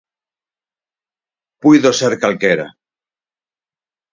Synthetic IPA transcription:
piðoseɾkalkeɾa̰

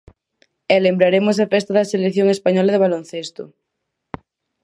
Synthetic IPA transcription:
ɛlembɾaɾemʊs̬ɐfɛst̪aðɐseleθjoŋespaɲɔlɐðeβalonθest̪ʊ̰

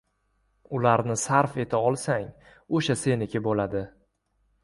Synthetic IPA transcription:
ʊlaɾnɪsaɾfe̞t̪ʰaɒlˠsaŋ | oʃase̞nɪkʲʰɪbolad̪ɪ

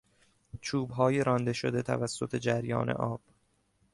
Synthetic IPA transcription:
t͡ʃʰuːbɦɒːjeɾɒnd̪e̞ʃod̪e̞t̪ʰæ̰væsːo̞t̪ʰe̞d͡ʒæɾjɒ̰ːnḛʔɒːb̥

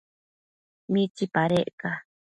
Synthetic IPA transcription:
mit͡ʃipaɾeʔka

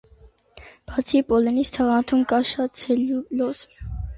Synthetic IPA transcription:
b̥ɑt͡sʰipɔlɛnist̪ʰɑʁɑnt̪ʰumkɑʃɑt̪t͡sʰɛllɔs

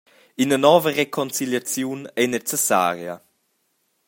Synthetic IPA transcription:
inənɔːvərekʰɔnt͡siljat͡sjunɛnɛt͡sesa̰ːɾjə

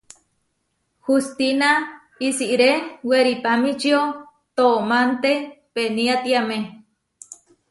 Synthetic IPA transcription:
hust̪ina | isiʔɾeweɾipamĩt͡ʃio | t̪omant̪epeniat̪iamẽ

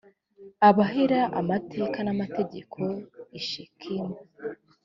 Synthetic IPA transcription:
aβaɦiɾaʔa̰mate̞ːkanamate̞ɟe̞kʰo̞iʃikʰima

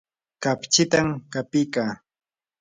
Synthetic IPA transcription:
kapt͡ʃɪt̪amkapijkaː

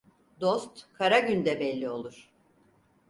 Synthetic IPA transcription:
d̪o̞st̪kʰaɾaɟynd̪ɛbɛlʲːio̞lˠuɾ̥

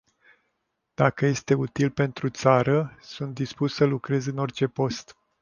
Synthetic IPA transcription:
d̪̥akəje̞st̪e̞ut̪ilpe̞nt̪ɾut̪saɾəsunt̪̚d̪ispussəlukɾe̞zɨno̞rt͡ʃe̞po̞st̪

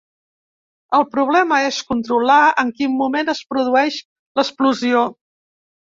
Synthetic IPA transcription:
əlˠpɾuβ̞lɛməeskunt̪ɾulaəŋkimːumenəspɾuðuɛʃ | ləspluzio

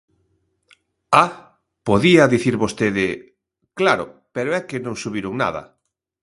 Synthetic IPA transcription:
a | poðiɐðiθiɾβost̪eðɪ | klaɾʊ̰peɾoɛkɪnõŋsuβiɾʊŋna̰ðɐ̰

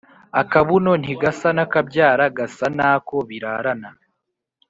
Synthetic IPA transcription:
akaβuno̞n̥hiɡasanakabɟaːɾaɡasanaːko̞βiɾaːɾana

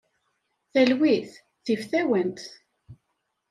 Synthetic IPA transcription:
θælwiθ | θifθæwənt̪

